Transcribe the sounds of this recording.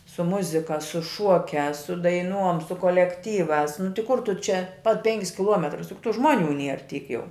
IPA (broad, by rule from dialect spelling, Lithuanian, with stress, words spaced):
sʊ ˈmʊzʲɪkɐ sʊ ˈʃuɔkʲæːs sʊ dɐɪˈnuɔm sʊ koːlʲɛkˈtʲiːʋɑːs nʊ tʲɪ ˈkʊr ˈtʊ ˈt͡ʃʲɛ pɐt ˈpʲɛŋʲkʲɪs kʲɪˈlˠuɔmʲɛtrʊs jʊk tʊ ˈʒmuɔˌnʲuː ˈnʲiɛr ˈtʲiːk ˈjɛʊ